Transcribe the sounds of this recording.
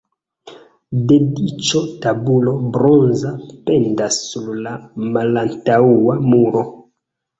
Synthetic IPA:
de̞dit͡ʃotabulo̞bɾo̞nzape̞ndasːuɾlamalantauamuɾo̞

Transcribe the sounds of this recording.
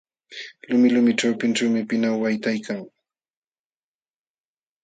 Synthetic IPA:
lʊmɪlʊmɪʈ͡ʂawpɪnʈ͡ʂawmɪpɪnawwajt̪ajkaŋ

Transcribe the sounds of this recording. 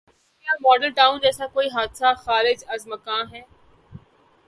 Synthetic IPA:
ijamɔːɖəlʈaːʊ̃nd͡ʒɛːsakoːiɦaːd̪saxaːɾɪd͡ʒɐzməkãːnɦɛː

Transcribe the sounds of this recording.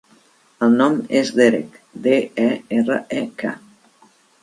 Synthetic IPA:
əlˠnɔmezðeɾḛkd̪eɛɛrə̰ɛkʰa̰

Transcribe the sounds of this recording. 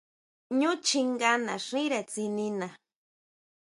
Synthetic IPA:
ɲʊt͡ʃiŋɡana̰ʂiɾat͡sinina

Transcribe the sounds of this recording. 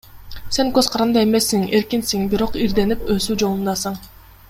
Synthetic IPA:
se̞ŋkøzqʰɑɾɑnd̪ɑe̞me̞sːiŋe̞ɾkinsiŋbiɾo̞qiɾd̪e̞nipøsyd͡ʒo̞lˠund̪ɑsɯɴ

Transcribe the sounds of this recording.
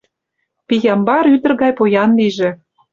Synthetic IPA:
pijɑmbɑɾyd̪ə̆rɣɑjpojɑnliʒĕ

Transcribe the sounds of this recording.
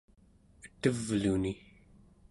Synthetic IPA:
ət̪əvluni

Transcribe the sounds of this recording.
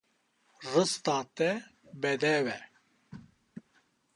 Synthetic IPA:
rɨst̪aːt̪ɛ | bɛd̪ɛvɛ

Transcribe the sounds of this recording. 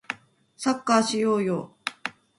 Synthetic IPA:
sakːaːɕijoːjo

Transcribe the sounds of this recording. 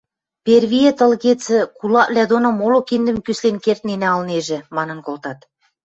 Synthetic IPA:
pʲervʲijet̪ə̆lɣet͡sɘ̆kulɑʔlʲæd̪onomolokind̪ɘ̆mkyslenkert̪̚nenæɑlneʒɘ̆mɑnɤ̆nkolˠt̪ɑt̪

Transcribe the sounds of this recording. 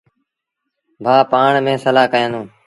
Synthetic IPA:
bʱaːpaːɳmẽːsəlaːkəjə̃nũː

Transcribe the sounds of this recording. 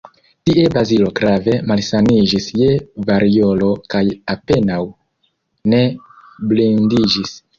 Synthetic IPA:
tiʔe̞bazilo̞ɡɾave̞malsanid͡ʒisjevaɾio̞lo̞kajape̞naw | ne̞ | blindid͡ʒis

